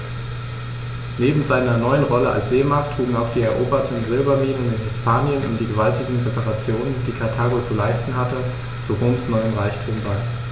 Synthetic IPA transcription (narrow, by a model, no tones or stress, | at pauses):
neːbm̩zaɪnɐnɔʏənʁɔləʔa̰lsz̥eːmaɐtʰʁ̥uːɡŋ̩aʊxd̥iːɛɐʔoːbɐtʰn̩zɪlbɐmiːnənɪnɦɪspʰaːnjənʊ̰ntd̥iːɡəvaltɪɡŋ̩ʁepaʁat͡sjoːnənd̥iːkʰaɐtʰaːɡot͡sulaɪstn̩ɦatə | t͡suʁoːmsnɔʏənʁaɪçtʰuːmbaɪ